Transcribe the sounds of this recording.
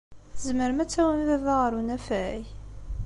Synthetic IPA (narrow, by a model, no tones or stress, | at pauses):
θzməɾmæt͡sːæwənvævaʁəɾunæfæj